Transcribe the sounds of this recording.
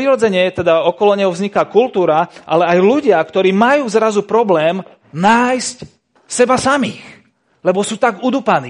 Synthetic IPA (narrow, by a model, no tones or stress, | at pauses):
ɾiɾɔd͡zɛɲɪɛt̪ɛd̪aɔkɔlɔɲɛɦɔvzɲikakult̪uːɾaʔalɛajluɟɪakt̪ɔɾiːmajuːzɾazupɾɔblɛːm | naːjsc | sɛbasamiːx | lɛbɔsuːt̪aɡud̪upaniː